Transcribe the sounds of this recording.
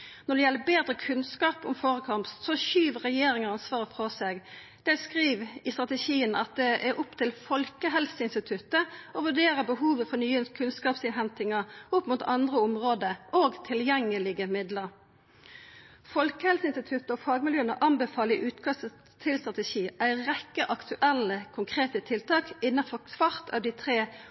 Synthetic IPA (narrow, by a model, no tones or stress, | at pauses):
nɔɖ̪ɛjɛlːəbeːd̪ɾəkʰʉnskɑːpʊ̰mfoːʁəkʰɑmpssɔʃyːʋəʁɛjeːɾɪŋəɑnsʋɑːʁəfɾɔseːɡ | d̪̥ɛskʁiːʋɪst̪ʁɑt̪əʃiːənɑt̪̚d̪ɛʔæɾʔʊpt̪ʰɪlfɔlkəɦɛlsəɪnst̪ɪt̪ʰʉt̪ːəɔʋʉɖeːʁəbəɦuːʋəfɔnyːənkʰʉnskɑːpsɪnɦɛnt̪ɪŋəʊpːmʊt̪ʰɑ̰nd̪ʁəʊmʁoːd̪əʔoːɡt̪ʰɪljɛŋːəlɪɡəmɪd̪ləʁ | fɔlkəhɛlsəɪnst̪ɪt̪ʰʉt̪əɔfɑːɡmɪljøːənəʔɑnbəfɑːləɪʔʉːt̪kʰɑsə | t̪ʰɪlst̪ʁɑt̪əʃiːʔæɪʁɛkːəʔɑkt̪ʉʔɛlːəkʰʊŋkʰʁeːt̪ət̪ʰɪlt̪ʰɑːkɪnːɑfɔkʋɑɾt̪ʰɑ̰ʋd̪ɪt̪ʰʁeː